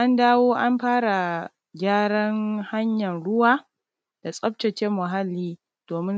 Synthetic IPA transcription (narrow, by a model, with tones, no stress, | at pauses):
ʔa˦ndaː˦woː˦ʔa˦mɸaː˦ɽa˨ | ɡʲaː˦ɽɐ˦ŋha˦ɲjɐ˨nɽʊ˦waː˦ | d̥a˨sʼɐ˦p̚t͡ʃɐ˨t͡ʃe˦mːʊ˨ɦa˦lːiː˦ | d̥oː˨mɪ˦n